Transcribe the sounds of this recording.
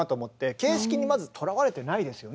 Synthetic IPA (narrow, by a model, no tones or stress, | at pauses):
at̪o̞ːmo̞t̪ːe̞ke̞ːɕi̥kʲiɲ̟imazɨt̪ʰo̞ɾaβaɾe̞t̪e̞naid̪e̞sɨjo̞